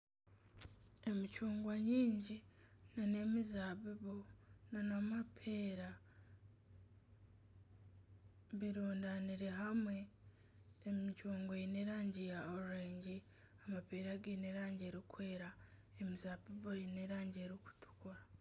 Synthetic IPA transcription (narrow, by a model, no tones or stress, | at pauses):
e̞mit͡ʃuːŋɡwaɲiːɲɟinane̞mizaːβiβonanamapʰeːɾa | βiɾuːndaniɾe̞ɦamwe̞ː | mit͡ʃuːŋɡajineːɾaːɲɟijaoɾuɾeːɲɟi | amapeːɾaɡineɾaːɲɟeɾikwe̞ːɾaemizaːbiβojineːɾaːɲɟieɾiku̥tu̥koɾa